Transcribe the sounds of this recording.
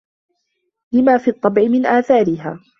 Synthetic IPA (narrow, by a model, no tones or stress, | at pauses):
lɪmaːfiːɑt̪ˤːɑbʕɪmɪnʔaːθaːɾɪɦaː